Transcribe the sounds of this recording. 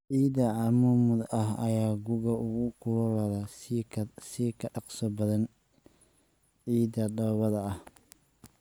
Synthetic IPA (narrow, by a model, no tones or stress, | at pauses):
ʕiːd̪ɐʕɑmuːmʊd̪ɐɦɐjaːɡʊɣɐʊɣʊkʰʊlɔlɐðɐ | sɪkʰɐɑqsɔbɐðɐn | ʕiːdɐɖɐwɐðɐɐh